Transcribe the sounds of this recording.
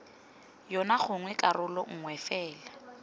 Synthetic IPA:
jɔnaχʊŋwɛkʼarʊlɔŋ̩ŋwɛfɛːla

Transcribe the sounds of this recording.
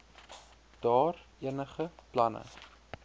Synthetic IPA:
d̥ɑːriənəχəplɐnə̰

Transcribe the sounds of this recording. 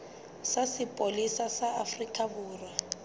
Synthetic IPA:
sasɪpʼolisasaafrikʼaβuːra

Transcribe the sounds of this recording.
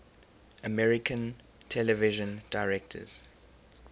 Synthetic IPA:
əmɛɹɪkʰə̃n | tʰɛlɛvɪʒə̃ndaɪɹɛk̚tʰə̰z̥

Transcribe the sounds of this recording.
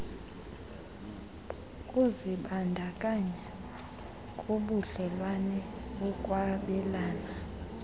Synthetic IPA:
kʼuziɓandʱakʼaɲɛ | kʼuɓuɬɛlwanɛɓukʼwaɓɛlaːna

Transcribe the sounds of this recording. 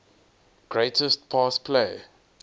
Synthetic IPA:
ɡ̥ɹeɪtəst̚pʰɑːspʰle

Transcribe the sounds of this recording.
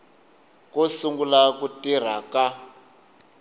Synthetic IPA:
kɔsuŋɡulakutir̤a̰ka

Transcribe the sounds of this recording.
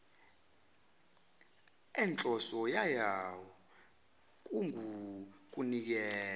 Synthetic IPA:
ɛnt͡ɬʼɔsɔjajawɔ | k̬ʼuŋuk̬ʼunik̬ɛː

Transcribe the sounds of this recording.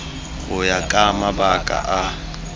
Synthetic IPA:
ʊjakʼamabakʼa̰ʔa

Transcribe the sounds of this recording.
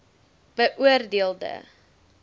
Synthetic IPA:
b̥əʔuərdeəlˠdə̰

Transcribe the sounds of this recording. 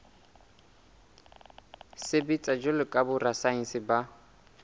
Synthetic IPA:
sɪbit͡sʼad͡ʒʊlɪkʼabʊrasainsɪba

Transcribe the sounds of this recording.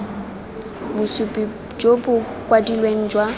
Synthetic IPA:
mʊsupʼi | d͡ʒobʊ | kʼwadilweŋ̩d͡ʒwa

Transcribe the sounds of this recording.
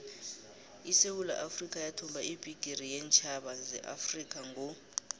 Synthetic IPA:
isewula̰ʔafrikʼajatʰɔmbʱaib̥ʱiɡ̥ʱiɾijɛnt͡ʃʰʼaɓazɛ̰ʔa̰frik̬ʼaŋʱɔ

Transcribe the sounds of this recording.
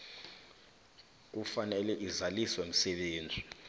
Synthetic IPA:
k̬ufanɛlɛʔizaliswɛm̩sɛɓeːnd͡zʱi

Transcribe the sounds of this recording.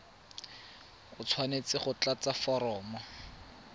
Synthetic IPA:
χʊt͡sʰwanet͡sɪχʊt͡ɬat͡safɔɾɔːmɔ

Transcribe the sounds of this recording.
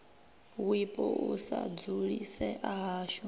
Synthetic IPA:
wipʼɔʔusad͡zuɺisɛʔaɦaːʃɔ

